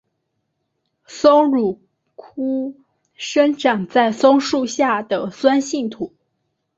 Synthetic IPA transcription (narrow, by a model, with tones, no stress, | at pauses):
so˥ŋɻu˨˩ | kʰu˥ | ʂɤ˥ŋʈ͡ʂa˨˩ŋt͡sa˥˩ɪso˥ŋʂu˥˧ɕja˥˩d̪ə˩swa˥nɕi˥˩ŋt̪ʰu˨˩˦